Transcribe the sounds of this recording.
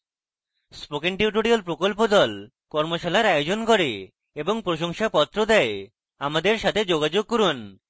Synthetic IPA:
spokeɳʈiuʈoɽialpɾokolpod̪ɔl | kɔɾmoʃalaɾajod͡ʑonkoɾe | eboŋpɾoʃoŋʃapɔt̪ːɾod̪ae | amad̪eɾʃat̪ʰed͡ʑoɡad͡ʑoɡ̚koɾun

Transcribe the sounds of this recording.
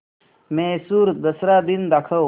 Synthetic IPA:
mẽsuːɾd̪ɐsɾad̪ind̪akʰə

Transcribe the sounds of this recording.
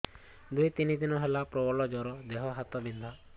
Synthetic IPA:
d̪ujt̪inid̪inɔɦelapɾɔbɔɭɔd͡ʒɔɾɔd̪eɦɔɦat̪ɔbind̪ʱa

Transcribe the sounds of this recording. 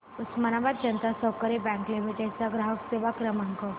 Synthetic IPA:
usmanaʋat̪̚d͡ʑənt̪asəwkəɾebɛ̃ŋklimiʈet͡saɡɾaɦəkseʋakɾəmaŋkə

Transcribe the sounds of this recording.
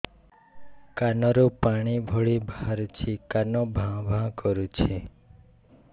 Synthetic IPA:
kanɔɾupaɽ̃ibʱɔɭibʱaaɾut͡ʃʰikanɔbʱãbʱãkɔɾut͡ʃʰe

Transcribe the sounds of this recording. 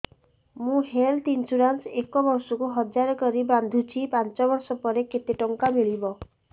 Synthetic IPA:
mũɦelt̪int͡ʃuɾansekɔbɔɾsɔkuɦɔd͡ʒaɾɔkɔɾiband̪ʱut͡ʃʰipant͡ʃɔbɔɾsɔpɔɾeket̪eʈɔŋkamiɭibɔ

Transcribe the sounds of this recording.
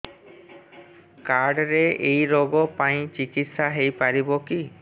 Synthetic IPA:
kaɾɖɾeejɾoɡɔpãĩt͡ʃikit̪ʃaɦejpaɾiboki

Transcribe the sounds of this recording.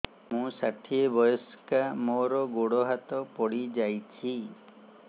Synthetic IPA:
mũsaʈʰiebɔjɔskamoɾɔɡoɽɔɦat̪ɔpɔɽid͡ʒajt͡ʃʰi

